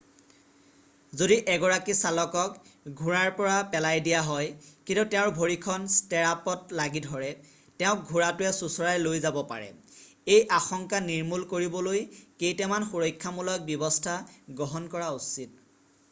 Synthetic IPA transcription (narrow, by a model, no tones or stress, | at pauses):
zodiʔɛɡɔɹakisalɔkɔkɡʱuɹaɹpɔɹapɛlajdijaɦɔjkintutɛʊ̃ɹbʱoɹikʰɔnstɛɹapɔtlaɡidʱɔɹɛ | tɛʊ̃k̚ɡʱuɹatʊɛsusɔɹajlojzabɔpa̰ɹɛ̰ejʔaxɔŋkaniɹmulkoɹibɔlojkejtɛmanxuɹɔjkʰːamulɔk̚bjɔbɔstʰaɡɹɔɦɔnkɔɹausit̚